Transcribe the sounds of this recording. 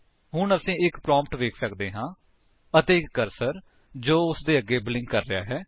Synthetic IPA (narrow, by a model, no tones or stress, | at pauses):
ɦʊɳəsĩːɪkpɾãːmpʈʋeːkʰsəkd̪eːɦãː | ət̪eːɪkːəɾsəɾ | d͡ʒoːʊsd̪eːəɡːeːbɪlɪ̃ŋɡkəɾːɪja̰ːɦɛː